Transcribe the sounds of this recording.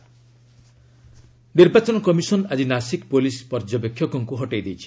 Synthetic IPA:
niɾbat͡ʃɔnɔkɔmisɔnad͡ʒinasikpolispɔɾd͡ʒɔbekʰːjɔkɔŋkuɦɔʈejd̪ejt͡ʃʰi̥

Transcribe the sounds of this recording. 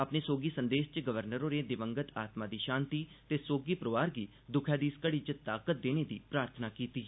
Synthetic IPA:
əpneːsoːɡiːsənd̪eːʃt͡ʃɡəʋəɾnəɾõːɾeːd̪ɪʋəŋɡət̪aːt̪mãːd̪iːʃãːnt̪iːt̪eːsoːɡiːpɾəʋaːɾɡiː | d̪ʊkʰɛːd̪iːskəɽiːt͡ʃət̪aːkət̪̚d̪eːneːd̪iːpɾaːɾt̪ʰnaːkiːt̪iː

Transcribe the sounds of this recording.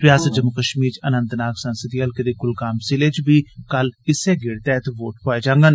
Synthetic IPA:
pɾɪjaːsət̪̚d͡ʒəmʊkəʃmiːɾt͡ʃənə̃nt̪naːksənsəd̪iːəlkəd̪eːkʊlkaːmsɪleːt͡ʃbiːkəlɪsɛːɡɪɽt̪ɛːt̪ʋoːʈɦoːed͡ʒãːŋɡən

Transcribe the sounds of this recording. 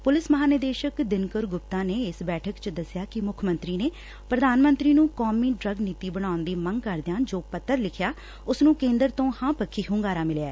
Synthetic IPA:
pʊlɪsməɦaːnəd̪eːʃəkd̪ɪnkəɾɡʊp̚t̪ãːneːɪsbɛːʈʰəkt͡ʃd̪əsɪjaːkɪmʊkʰmə̃nt̪ɾiːneː | pɾəd̪aːnmə̃nt̪ɾiːnũːkɔːmiːɖɾəɡniːt̪iːbəɽãːʊnd̪iːmə̃ŋɡkəɾd̪ɪjãːd͡ʒoːpət̪ːəɾlɪkʰjaː | ʊsnũːkẽːnd̪əɾt̪õːhãːpəkʰːiːɦʊ̃ːŋɡaːɾaːmɪljaɛː

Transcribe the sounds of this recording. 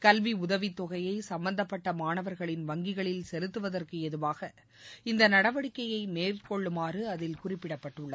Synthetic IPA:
kɐlʋiʊðɐʋit̪ːɔɣɐjɐɪsɐmbɐnd̪ɐpːɐʈːɐmaːnɐʋɐɾɣɐɭɪnʋɐŋɡɪɣɐɭɪlsɛlɯt̪ːɯʋɐðɐrkɯɛðɯʋaːɣɐ | ɪnd̪ɐnɐɽɐʋɐɽɪkːɐjɐɪmeːrkɔɭːɯmaːrɯɐðɪlkʊrɪpːɪɽɐpːɐʈːɯɭːɐð

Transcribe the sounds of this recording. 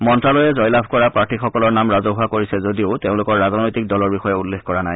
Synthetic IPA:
mɔntɹalɔjɛzɔjlabʱkɔɹapɹaɹʈixɔkɔlɔɹnamɹazoɦuakoɹisɛzodioʊteʊ̃lʊkɔɹːaznojtik̚dɔlɔɹbixɔjɛulːekkɔɹanaj

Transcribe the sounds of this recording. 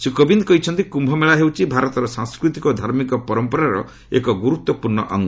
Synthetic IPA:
sukɔbind̪kɔit͡ʃʰɔnt̪ikumbʱɔmeɭaɦewt͡ʃʰibʱaɾɔt̪ɔɾɔsãŋskɾut̪ikɔd̪ʱaɾmikɔpɔɾɔmpɔɾaɾɔ̰ | ḛkɔɡuɾut̪wɔpuɾɳɔʔɔŋɡ

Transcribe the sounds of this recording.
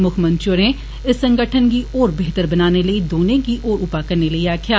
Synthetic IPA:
mʊkʰmə̃nt͡ʃoɾẽ | ɪsːə̃ŋɡəʈʰənkiʔɔːɾbeɦt̪əɾbɐnaːneləid̪oːnẽkiʔɔːɾʊpakɐɾneləiaːkʰjaː

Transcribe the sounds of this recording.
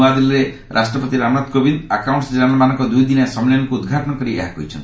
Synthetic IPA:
ad̪ilɾe | ɾʔasʈɾɔpɔt̪iɾamɾad̪kobind̪akawɳʈsd͡ʒanelmanɔ̃ŋkɔd̪ujd̪inesɔmelɔnɔŋkuːd̪ɡʱaʈɔnɔkɔɾiʔḛɦakɔ̰ɦjt͡ʃʰɔnt̪i̥

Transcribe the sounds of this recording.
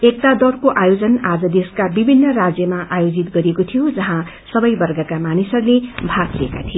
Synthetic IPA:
ek̚t̪ad̪ʌrkoʔajod͡zʌnad͡zʌd̪eskabibʱinːʌrad͡zjʌmaʔajod͡zit̪ɡʌɾijekot̪ʰijod͡zʌɦã | sʌbʌjbʌrɡʌkamanisʌrlebʱaɡieka̰t̪ʰi

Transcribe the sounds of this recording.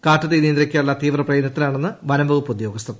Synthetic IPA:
kaːʈːɐðeniːnd̪ɾɐkʲːaːuɭːɐt̪iːʋrɐprɐjenːɐt̪ːilaːɳenːɨʋɐnɐmbɐɣupːud̪jo̞ːɡɐst̪ʰːɐðɨ

